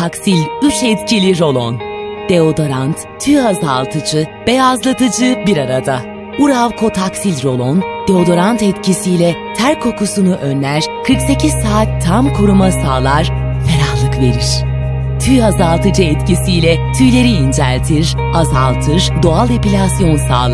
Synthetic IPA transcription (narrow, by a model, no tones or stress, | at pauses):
t̪ʰaksilʲyt͡ʃɛt̪cʰilʲiɾo̞lˠo̰nd̪̥e̞o̞d̪o̞ɾant̪ʰyjazalˠt̪ʰɯd͡ʒɯvɛazlˠat̪ʰɯd͡ʒɯbiɾaɾad̪a | uɾavkʰo̞t̪ʰaksilʲɾo̞lˠond̪̥eo̞d̪o̞ɾant̪ɛt̪cʰisijlʲɛt̪ʰæɾkʰːo̞kʰusunuʔønlʲæɾ̥kʰɯɾkse̞cʰiz̥saːt̪ʰːamkʰuɾumasaːlˠaɾfeɾahlˠɯkve̞̰ɾiɾ̥ | t̪ʰyjazalˠt̪ʰɯd͡ʒɯɛt̪cʰisijlʲɛt̪ʰyjlʲe̞ɾiːnd͡ʒæ̰lʲt̪ʰiɾ | azalˠt̪ʰɯɾ̥d̪oalˠepilʲasijo̞nsa̰ːlˠa